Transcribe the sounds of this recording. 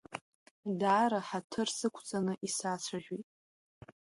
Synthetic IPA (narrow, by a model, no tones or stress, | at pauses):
daːɾaħatʰɨrsɨkʷʰt͡sʼanɨʔisat͡sʷʰaʒᶣitʼ